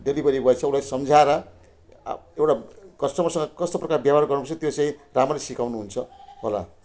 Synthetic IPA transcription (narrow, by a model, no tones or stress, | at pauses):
ɖelibʌɾibʱʌet͡sʰʌulajsʌmd͡zʱaeɾʌ̰ | ewʈakʌsʈʌmʌrsʌŋɡʌkʌst̪oprʌkarbjaparɡʌrupst͡sʰʌt̪jot͡sãĩramrʌlesikawnuɦunt͡sʰʌɦola̰